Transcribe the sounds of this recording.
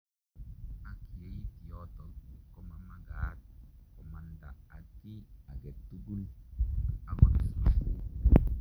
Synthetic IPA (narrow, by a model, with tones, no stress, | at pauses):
a˦ki˨je˨i˦t̪i˨jɔt̪ɔ˨kɔ˦ma˦ma˦ɡaːt̪kɔ˨ma˨nd̪a̰˨a˨kːi˦a˨ɡɛ˨t̪ːu˦ɡu˦l | a˦ɡɔ˨s